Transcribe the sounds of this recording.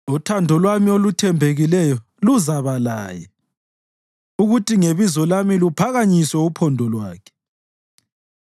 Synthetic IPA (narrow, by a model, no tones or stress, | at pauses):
utʰandʱɔlwamiolutʰɛmbʱeɣilɛjɔ | luzaβala̰ːjɛ | uɣutʰiŋeβizɔlamilupʰaɣaɲiswɛupʰɔndʱɔlwaːkʰɛ̥